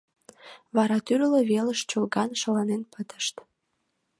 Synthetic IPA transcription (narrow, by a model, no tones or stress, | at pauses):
βɑɾɑt̪yllə̆βeləʃt͡ɕolɡɑnʃə̆lɑnenpət̪ə̥ʃt̪